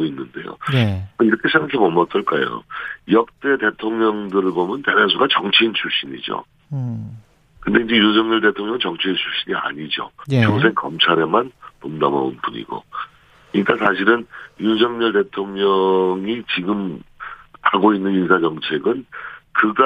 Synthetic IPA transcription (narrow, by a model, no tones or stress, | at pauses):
oinːɯnde̞̰jo̰ʌiɾʌkʰe̞sʰeŋɡasʰɯmʌmʌt͈ʌɭk͈ajo̰jʌk̚t͈e̞te̞tʰoŋɲʌŋdɯɾɯɭbomjʌntenasʰuɡat͡ɕʌŋt͡ɕʰiːnt͡ɕʰuɭɕ͈iɲid͡ʑo̰ | kɯnde̞ind͡ʑe̞jusʌŋɲʌɭte̞tʰoŋɲjʌŋɯnt͡ɕʌŋt͡ɕʰiint͡ɕʰuɭɕ͈iɲia̰ɲid͡ʑo̰t͡ɕoŋs̬ʰe̞ŋk͈ʌmt͡ɕʰaɾe̞manpomdamʌ̰unbuɲḭɡo̰ | iɲik͈asʰaɕ̬ʰiɾɯnjunsʌŋɲʌɭte̞tʰoŋɲʌŋit͡ɕiɡɯm | haɡoinːɯninsʰad͡ʑʌŋt͡ɕʰe̞ɡɯnkɯɡa